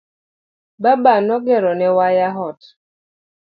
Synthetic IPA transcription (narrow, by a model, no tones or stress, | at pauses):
babanɔɡɛɾɔnɛwajaɦɔt